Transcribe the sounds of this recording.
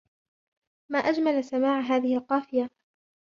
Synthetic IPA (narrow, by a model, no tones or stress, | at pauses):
maːʔad͡ʒmalasamaːʕɦaːðɪhɪlqɑːfɪja